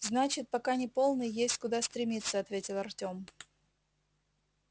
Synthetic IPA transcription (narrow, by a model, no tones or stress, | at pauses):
znat͡ɕɪt̪̚pɐkanʲɪpo̞lˠnɨjjesʲtʲkʊd̪ast̪ɾʲɪmʲit̪sːəɐt̪vʲetʲɪlˠɐrtʲo̞m